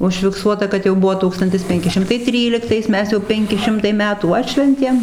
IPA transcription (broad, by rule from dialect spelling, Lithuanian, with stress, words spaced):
ʊʃʲfʲɪkˈsuɔtɐ kɐt jɛʊ ˈbuɔ ˈtuːkstɐnʲtʲɪs ˈpʲɛŋʲkʲɪ ˈʃʲɪmtɐɪ ˈtʲrʲiːlʲɪktɐɪs ˈmʲɛs jɛʊ ˈpʲɛŋʲkʲɪ ˈʃʲɪmtɐɪ ˈmʲæːtuː ˈɑːtʲʃʲʋʲɛnʲtʲeːm